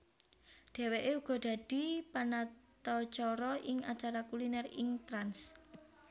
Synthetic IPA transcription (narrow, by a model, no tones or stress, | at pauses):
ɖ̪̥e̤weʔeuɡ̥ɔ̤ɖ̪̥a̤d̥i̤panat̪ɔt͡ʃɔɾɔʔɪŋa̰t͡ʃaɾakulinɛrɪŋt̪ɾans